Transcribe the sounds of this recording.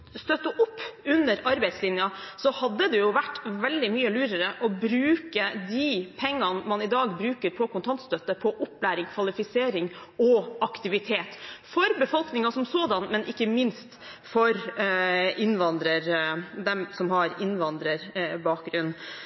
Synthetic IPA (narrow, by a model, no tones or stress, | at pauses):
st̪œt̪ːəʔʊpːʉnːəɾɑɾbæɪd̪slɪnjɑsɔhɑd̪ːəd̪ɛjʊʋæʈːʋɛld̪ɪmyːəlʉːɾəɾəʔɔbɾʉːkəd̪ipʰɛŋːɑnmɑnɪd̪ɑːɡbɾʉːkəɾpʰɔkʊnt̪ʰɑnt̪st̪œt̪ːəpʰɔʔʊpːlæːɾɪŋkʰʋɑlɪfɪseːɾɪŋɔʔɑkt̪ɪʋɪt̪ʰeːt̪fɔɾbəfɔlknɪŋɑsɔmsoːd̪ɑnmɛnʔɪkːəmɪnst̪ | fɔɾ | ɪnːʋɑnd̪ɾəɾd̪ɛmsɔmhɑɾɪnʋɑnd̪ɾəɾbɑːk̚ɡɾʉnː